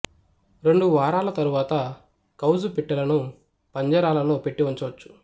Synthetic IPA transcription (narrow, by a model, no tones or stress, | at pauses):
ɾe̞ɳɖuʋaːɾaːlɐt̪ɐɾuʋaːt̪ɐ | kɐwzupiʈːɐlɐnu | pɐɲd͡ʒɐɾaːlɐloːpeʈːiʋɐɲt͡ʃːɐʋɐt͡ʃːu̥